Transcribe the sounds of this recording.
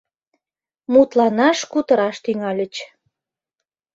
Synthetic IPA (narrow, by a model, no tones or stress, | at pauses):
mut̪lɑnɑʃkut̪ə̆ɾɑʃt̪yŋɑlʲət͡ɕ